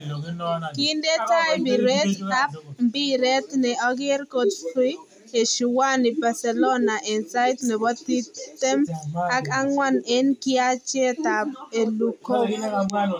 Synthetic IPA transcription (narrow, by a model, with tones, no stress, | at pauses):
kɪ˦nde˦ta˦jbi˨ɾe˦tta˦p̚mbi˦ɾe˦t̪nɛ˨ɔ˦ɡɪ˦ɾko˨t̪ti˦ | e˨ʃu˨wa˦ni˨ba˨sɛ˨lo˦na˨ʔɛ˨nsa˦ɪt̪nɛ˨bɔ˦t̪i˦tt̪ɛ˦ma˦ka˦ŋwa˦nɛ˦nkɪat͡ʃɛ˦t̪a˨p̚e˨luko˦k